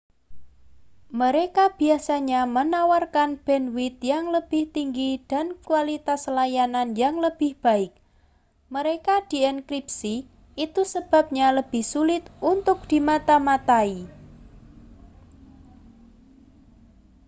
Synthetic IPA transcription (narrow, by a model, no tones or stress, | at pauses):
məɾekab̥i̤asaɲamənawarkanb̥ɛnwɪt̪̚jaŋləb̥ɪht̪iŋɡid̥a̤nkualit̪aslajananjaŋləb̥ɪhb̥a̤ɪk̚ | məɾekad̪̥i̤ɛnkɾip̚si | it̪usəb̥a̤p̚ɲaləb̥ɪhsulɪt̪unt̪ʊk̚d̪̥i̤mat̪amat̪ai